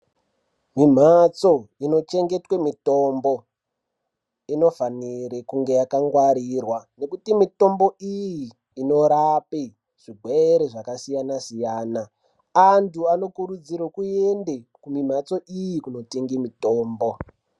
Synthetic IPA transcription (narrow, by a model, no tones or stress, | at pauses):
mim̤at͡so̞ino̞t͡ʃe̞ŋɡe̞twe̞mito̞mbo̞ | ino̞fanirekuŋɡe̞jakaŋɡwaɾiːrwane̞kutimito̞mbo̞ijiː | no̞ɾape | ʐ̥iɡʱweeɾeʐakasijanasijaːna | antʰuano̞kuɾud͡ziɾokuendekumim̤at͡so̞ʔijikuno̞teŋɡimitoːmbo̞